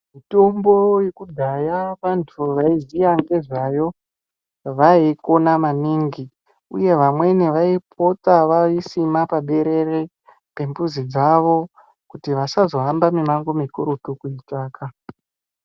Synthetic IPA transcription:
mito̞mbo̞jekudʱajaʋantʰuʋaizijaŋɡe̞ʐajo̞ | ʋaiko̞namaniːŋɡi | ṵje̞ʋamwe̞neʋaip̚ʰo̞t͡saʋaisimapaɓe̞ɾe̞ɾe | pe̞mbuzid͡zaʋo̞ | kutiʋasazo̞ɦambamimaŋɡo̞mikuɾutukuitaːka

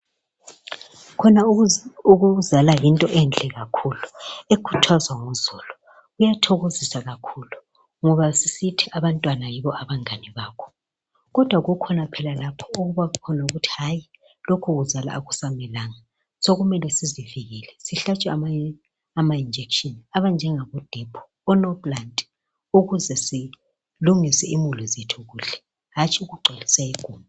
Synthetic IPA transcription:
kʰɔnauɣuzalajintʼɔʔɛnd͡ɮʱɛɣakʰuluekʰu̥tʰazwaŋuz̥uːlu | ɣujatʰoɣozisaɣakʰulu | ŋɔβasisitʰiʔaβantʼwanajiβɔʔaβaŋaniβaːkʰɔ̥ | ɣɔd̥ʱwaɣukʰɔnapʰɛlalapʰɔ̥uɣuβaukʰɔnauɣutʰi̥ɦaji | lokʰuɣuzala̰ːɣusamɛlaːŋa | soɣumɛlɛsiziviɣilɛsiɬat͡ʃʼwɛama | amaind͡ʒʱekʃɔnaβand͡ʒʱɛŋaβɔd̥ʱɛpʰɔ̥ | ɔnɔbʼlandʱʼ | uɣuzɛsi | luŋisɛimulizetʰuɣuːɬɛ̥ | ɦat͡ʃʰʼiuɣuǃʱelisaiɡ̥ʱuːma

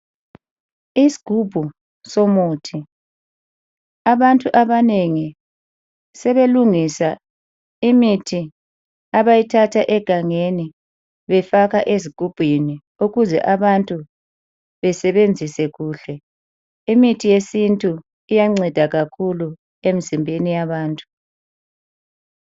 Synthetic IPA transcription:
isi̥ɡ̥ʱub̥ʱu | somuːtʰi | aβantʼuʔaβaneŋi | sɛβeluŋisa | imitʰi | aβajitʰatʰaʔɛɡ̥ʱaŋeni | βɛfaɣaʔeziɡ̥ʱub̥ʱini | uɣuzɛ̰ʔaβantʼu | βɛsɛβend͡zʱisɛɣuːɬɛ | imitʰijesintʼu | ijaŋ͡ǀɛd̥ʱaɣakʰulu | emizimbʱenijaβaːntʼu̥

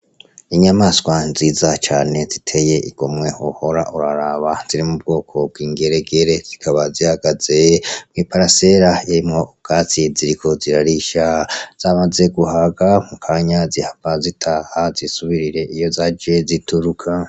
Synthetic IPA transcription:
iɲamaːskwanziːzat͡ʃaːne̞zitʰe̞je̞ʔḭɡ̥omŋe̞oho̞ɾaʔuɾaɾaβaz̥iɾimub̚ɡo̞ːkʰo̞b̚ɡiːŋɡe̞ɾeɡe̞ɾe̞z̥ikʰaβazihaɡaze̞mŋiːpaɾase̞ɾaeɾimŋoːɡ̥at͡siziɾikʰo̞ziɾaɾiʃaz̥amaze̞ɡuhaɡamukʰaɲazihaɡ̥azitʰaːhazisuβiɾiɾe̞ʔijo̞zad͡ʒezitʰuɾukʰa

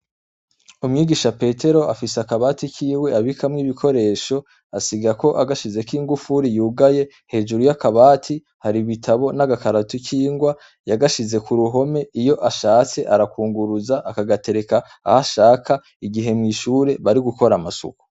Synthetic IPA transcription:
umŋiːɡiʃape̞ːtʰe̞ɾo̞ʔafiseakaβaːtikiːwe̞aβikamŋiːβikʰo̞ɾe̞ːʃo̞ | asiɡako̞ʔaɡaʃize̞kiːŋɡufuɾijuːɡaje̞ | he̞ːd͡ʒuɾujakaβaːtʰi | haɾiβitʰaβo̞naɡakaɾatukiːŋɡwa | jaɡaʃize̞kuɾuɦo̞me̞ijo̞ʔaʃaːt͡se̞ʔaɾakuːŋɡuɾuzaʔakaɡate̞ɾe̞kaː | haʃaːkʰa | iɡiɦe̞mŋiːʃuːɾe̞βaɾiɡuko̞ɾamasṵku̥

